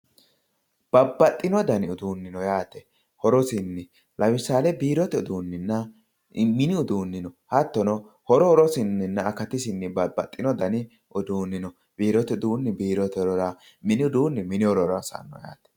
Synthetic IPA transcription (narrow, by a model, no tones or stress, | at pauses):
b̥ɐbːɐt̪ʼːɪnɔd̪ɐnɪʊd̪uːnːɪnɔjaːt̪ɛ | hɔɾɔsɪnːɪ | lɐwɪsaːlɛbiːɾɔt̪ɛʊd̪uːnːɪnːɐ | mɪnɪʊd̪uːnːɪnɔhɐt̪ːɔnɔ | hɔɾɔhɔɾɔsɪnːɪnːɐɐkɐt̪ɪsɪnːɪbɐbːɐt̪ʼːɪnɔd̪ɐnɪ | ʔʊd̪uːnːɪnɔ | b̥iːɾɔt̪ɛʊd̪uːnːɪbiːɾɔt̪ɛɾɔɾa | mɪnɪʊd̪uːnːɪmɪnɪɔɾɔɾɐsa̰nːɔ̰ja̰ːt̪ɛ̥